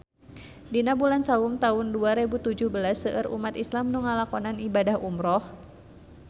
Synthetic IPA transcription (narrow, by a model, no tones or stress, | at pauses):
dinabulansaʊmt̪aʊnduaɾebut̪ud͡ʒʊhbəlasːəʔəɾṵmat̪islamnuŋalakɔnanibadahumɾɔh